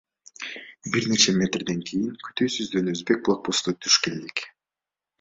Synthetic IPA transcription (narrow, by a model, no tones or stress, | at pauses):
biɾne̞t͡ʃemʲet̪rd̪e̞ŋkʰijiŋkʰy̥t̪yːsyzd̪ønøzbe̞k̚plˠak̚post̪ɯt̪ʰy̥ʃkeld̪ik